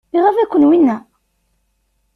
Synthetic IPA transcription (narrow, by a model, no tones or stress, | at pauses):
iʁæfækʷːənwinːæ